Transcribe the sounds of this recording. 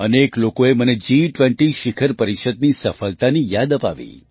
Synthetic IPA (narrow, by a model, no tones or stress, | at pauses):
əneklokoeməned͡ʒiʈʋẽɳʈiʃikʰəɾpəɾiʃəd̪̚nisəfəlt̪anijad̪əpa̰ʋḭ